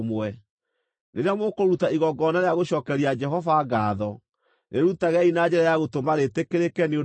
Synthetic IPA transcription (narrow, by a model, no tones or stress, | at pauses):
mwɛ | neɾeamokoɾutaiɣɔɡɔnaɾeaɣoɕɔːkɛɾiad͡ʒɛɦɔvaɡaːðɔ | neɾutaɣɛinad͡ʒɛɾajaɣotomaɾetekeɾekɛnio